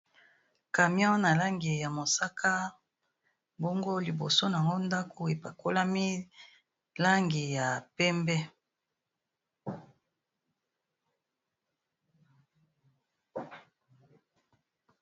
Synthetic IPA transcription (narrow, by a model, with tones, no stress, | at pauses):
ka˨mjɔ̃˦na˨la˦ŋɡi˨ja˨mo˨sa˦kʰa˦ | bo˦ŋɡo˦li˨bo̰˨so˦na˨ŋɡo˦nda˦kʰo˨e˨pa˨ko˦la˦mi˦ | la˦ŋɡi˨ja˨pɛ˦mbɛ˦